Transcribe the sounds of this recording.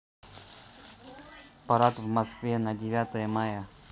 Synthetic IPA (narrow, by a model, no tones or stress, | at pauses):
pɐɾat̪vmɐskvʲenədʲɪvʲat̪əjəmajə